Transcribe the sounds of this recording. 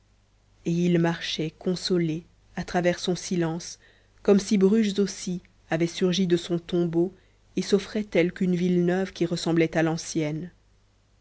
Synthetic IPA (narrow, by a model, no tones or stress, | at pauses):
eilmaʁʃɛkɔ̃sɔle | at̪χavɛʁsɔ̃silɑ̃s | kɔmsibʁyʃzosi | avɛsyʁʒid̪əsɔ̃t̪ɔ̃bo | esɔfχɛt̪ɛlkynvilnœvkʲiʁəsɑ̃blɛt̪alɑ̃sjɛn